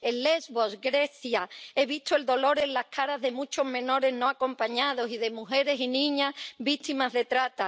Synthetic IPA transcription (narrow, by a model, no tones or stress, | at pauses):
enlezβo̞sɡɾe̞θjae̞βist̪oe̞ld̪o̞lo̞ɾe̞llahkʰaɾazðe̞mut͡ʃo̞zmẽ̞no̞ɾe̞zno̞ako̞mpaɲað̞o̞siðe̞muxe̞ɾe̞sinĩɲazβit̪imazðe̞t̪ɾat̪a